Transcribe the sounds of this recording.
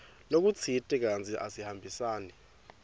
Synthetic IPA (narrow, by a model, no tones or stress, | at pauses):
lok̬ut͡sʰitʼɛk̬ant͡sʰʼiʔa̰sihambʱisaːnɛ